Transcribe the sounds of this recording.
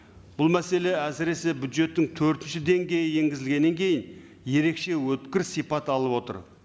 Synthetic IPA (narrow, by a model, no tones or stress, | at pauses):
b̥ʊlˠmæse̞le̞æsɪɾe̞se̞bʲjud̪ʒe̞t̪ːɪŋt̪ʰɵɾt̪ɪnʃɪd̪e̞ŋɡʲe̞jɪje̞ŋɡʲɪzɪlɡʲe̞nːe̞ŋkʲʰe̞jɪn | je̞ɾe̞kʃe̞wɵt̪kʲɪɾsijpɑt̪ɑlˠəpwo̞t̪ə̰ɾ